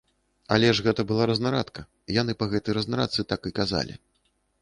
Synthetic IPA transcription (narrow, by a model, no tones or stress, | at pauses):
a̰lʲɛʐɣɛt̪ɐbɨlˠaɾɐznaɾat̪kɐ | janɨpɐɣɛt̪ɨjɾɐznaɾa̰t̪sɨt̪akɨkaza̰lʲḭ